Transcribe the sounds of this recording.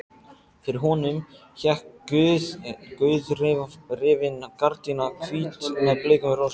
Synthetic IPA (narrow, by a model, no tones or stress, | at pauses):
fɪɾɪɾɦɔːnʏm | çɛhkʏðkʏðrɪrɪvɪnakaɾt̪inakʰviːt̪mɛðplɪːkʏmros